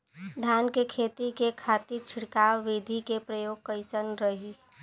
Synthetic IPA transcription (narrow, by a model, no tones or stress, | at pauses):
d̪ʱjaːnkekʰeːt̪ikekʰaːt̪iɾt͡ʃʰɪɽkaːwːid̪ʱikepɾəjoːɡ̚kəɪsənɾəɦi